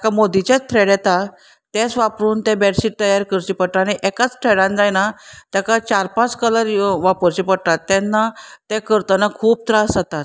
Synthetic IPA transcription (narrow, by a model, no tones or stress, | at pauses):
akamod̪it͡ɕat͡sʈ̪ʰɾeɽɛt̪a | t̪ẽt͡sʋapɾuːnt̪ẽbɛɽsiʈ̚t̪əjaɾkəɾt͡ɕipəɽʈ̪aːɽ̃iʔɛkat͡sʈ̪ʰɾeɽãnd͡zajnat̪jakat͡ɕaɾpãt͡skələɾʋapəɾt͡ɕipəɽt̪at̪ːɛ̃nːat̪ekəɾt̪ənakʰuːb̚t̪ɾasat̪at̪